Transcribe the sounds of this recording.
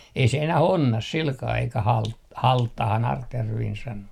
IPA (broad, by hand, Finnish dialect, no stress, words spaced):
ei se enæh onːɑs silkɑː eikæ hɑlt hɑltːɑhɑn ɑrtjærʋiːn sɑno